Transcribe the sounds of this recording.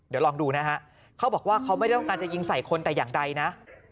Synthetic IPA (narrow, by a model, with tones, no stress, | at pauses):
di˨˩˦lɔː˧ŋduː˧na˦˥ɦa˦˥ʔ | kʰa˦˥bɔː˨˩k̚waː˥˩kʰa˦˥wma˥˩jt̪ɔ˥˩ŋkaː˧nt͡ɕa˨˩ji˧ŋsa˨˩jkʰo˧nt̪ɛː˨˩jaː˨˩ŋda˧jna˦˥ʔ